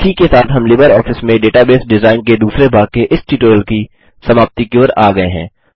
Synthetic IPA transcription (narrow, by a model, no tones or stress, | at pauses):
ʈʰiːkesaːt̪ɦɐmlɪbəɾɔːfɪsmẽɖeːʈabeːsɖɪzaːɪnked̪uːsɾebʱaːkeʔɪsʈiːʈoːjlki | sɐmaːb̚t̪ikeoɾaːɡɐeɦɛ̰̃ː